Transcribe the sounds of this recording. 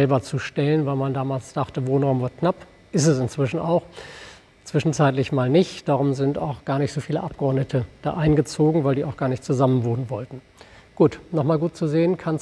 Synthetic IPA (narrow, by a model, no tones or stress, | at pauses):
ɛlbɐt͡suʃtɛlənvaɪlmandaːmaːlsd̥aχtəvoːnʁaʊmvʊɐkʰnap | ʔɪstɛsɪnt͡sv̥ɪʃn̩a̰ʊx | t͡sv̥ɪʃn̩t͡saɪtlɪçmaːlnɪçtd̥aːʁ̞ʊmzɪnta̰ʊxɡ̥aːɐnɪçtz̥oːfiːlə̰ʔap̚ɡ̥əɔɐdnətʰəd̥a̰ːʔaɪnɡət͡soːɡŋ̩vaɪldiːʔaʊxɡ̥aːɐnɪçtt͡suzamənvoːnənvɔltn̩ | ɡ̥uːtnɔχmaːlɡuːt̚t͡suzeːənkʰan